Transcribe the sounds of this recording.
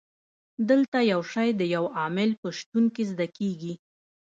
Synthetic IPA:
d̪əlt̪ajawʃajd̪əjawɑmɪlpəʃt̪unkezd̪akeɡi

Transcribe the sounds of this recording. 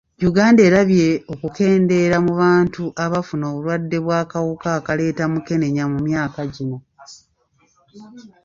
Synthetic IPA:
juɡaːnde̞ːɾaβje̞o̞kuke̞ːnde̞ɾamuβaːntuʔaβafuno̞ːβulwadːe̞βwaːkawukakale̞ːtamuke̞ne̞ɲamumjaːkaɟino̞

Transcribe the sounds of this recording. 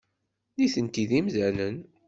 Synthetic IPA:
liθənt̪iðimzælən

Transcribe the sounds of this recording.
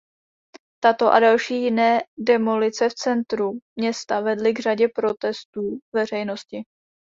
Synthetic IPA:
t̪at̪o̞ʔa̰dalʃiːjɪnɛːdɛmo̞lɪt͡sɛft͡sɛnt̪ɾumɲɛst̪avɛdlɪɡr̝aɟɛpɾo̞t̪ɛst̪uːvɛr̝ɛjno̞scɪ

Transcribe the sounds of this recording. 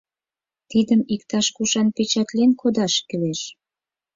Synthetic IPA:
t̪id̪əmikt̪ɑʃkuʃɑnpet͡ɕɑt̪lenkʰod̪ɑʃkeleʃ

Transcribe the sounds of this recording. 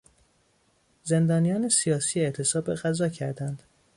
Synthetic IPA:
ze̞nd̪ɒːnijɒːne̞sijɒːsiːeʔt̪ʰe̞sɒːbeɣæzɒːcʰæɾd̪ænd̪̥

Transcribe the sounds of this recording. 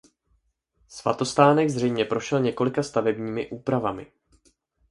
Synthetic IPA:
sva̰t̪o̞st̪aːnɛɡzr̝ɛjmɲɛpɾo̞ʃɛlɲɛko̞lɪkast̪avɛbɲiːmɪʔuːpɾavamɪ̰

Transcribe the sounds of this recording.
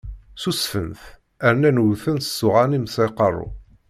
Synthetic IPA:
susfə̰nθ | æɾnænwθənsːʊʁanimsiqɑrˤːʊ̰

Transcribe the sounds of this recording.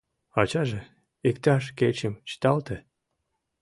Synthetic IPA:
ɑt͡ɕɑʒĕ | ikt̪ɑʃket͡ɕəmt͡ɕə̥t̪ɑlt̪ĕ

